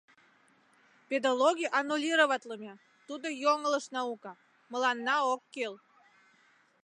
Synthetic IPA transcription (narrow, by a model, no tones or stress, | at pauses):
pʲed̪aloɡʲijʔɑnːulʲiɾoβɑt̪ʲləmʲe | t̪ud̪ojoŋələʃnɑukɑ | mə̆lɑnːɑokːel